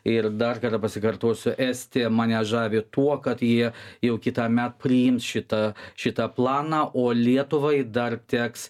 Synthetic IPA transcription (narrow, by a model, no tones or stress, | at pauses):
ɪrd̪ɐrkɐrt̪ɐpɐsʲɪkɐrt̪oːsʲʊʔæːsʲt̪ʲeːmɐnʲɛʒɑːʋʲeːt̪uɔkɐt̪jiɛjɛʊkʲɪt̪ɑmʲæt̪pʲɾʲɪjɪmsʃʲɪt̪ɐʃʲɪt̪ɐplˠɑːnɑːʔoːlʲiɛt̪ʊʋɐɪd̪ɐrt̪ʲæːks